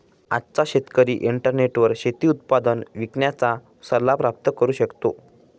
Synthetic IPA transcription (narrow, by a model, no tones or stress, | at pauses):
a̰t͡saɕet̪kəɾiːʔiɳʈəɾneʈʋəɾɕet̪iːut̪̚pad̪ənʋikɳjat͡sa | səɾlːapɾap̚t̪əkəɾuːɕəkt̪o